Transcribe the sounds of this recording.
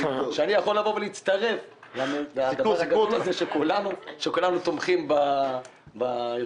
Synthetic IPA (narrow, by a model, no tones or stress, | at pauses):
uʃeanijaχo̞lavo̞veleit͡st̪aʁe̞v | iuiut̪azeʃekulanuʃekulanut̪omχimba | bajo